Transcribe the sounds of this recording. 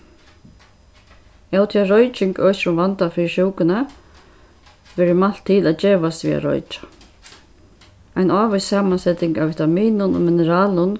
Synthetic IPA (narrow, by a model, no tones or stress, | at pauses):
ɛwt̪ʰiaɾɔjt͡ʃɪŋkœːsɾʊmvant̪afɪːɾʃuwkʊnə | ʋɛːɾɪmal̥t̪ʰːɪːlat͡ʃeːʋast̪vḭːa̰ɾɔ̰jt͡ʃḁ | ajnaːʋassaːmansɛt̪ɪŋkavɪt̪amiːnʊnʊ̰mɪnəɾaːlʊn